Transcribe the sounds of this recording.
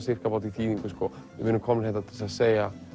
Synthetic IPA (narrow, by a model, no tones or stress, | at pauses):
sɪr̥kapaːwt̪̬iθiːðiŋkʏskɔvɪvʏnʏmkʰɔmnɪnɾhɛht̪at̪ʰɪ̥lsaðseːja